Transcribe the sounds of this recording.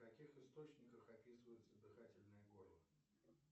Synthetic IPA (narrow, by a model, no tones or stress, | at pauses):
kɐkʲixɨst̪o̞t͡ɕnʲɪkəxɐpʲisɨvəjʊt̪səd̪ɨxatʲɪlʲnɨjəɡorlˠə